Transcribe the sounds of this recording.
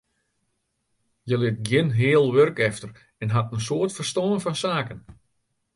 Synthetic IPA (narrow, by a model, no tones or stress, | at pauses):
jəlɪt̚ɡjɪnɦɪːəlˠʋørkɛftər | ɛnɦatənsoərtfərstoːnfɔnsaːkən